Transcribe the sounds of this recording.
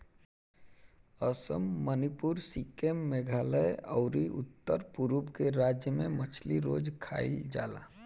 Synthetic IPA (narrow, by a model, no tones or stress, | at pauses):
əsəmːənipuɾsikemːeɡʱaːləjɔ̰ʊɾiʔʊ̰t̪ːəɾpuɾubkeɾaːd͡ʒjəmẽmət͡ʃʰliɾoːd͡ʒkʰaːild͡ʒaːla̰ː